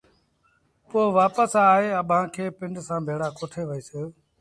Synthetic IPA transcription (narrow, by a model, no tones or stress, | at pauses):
poːʋaːpəsaːɦeːəɓʱãːkʰeːpɪɳɖsãːbʱeːɽaːkoːʈʰeːʋəeːseː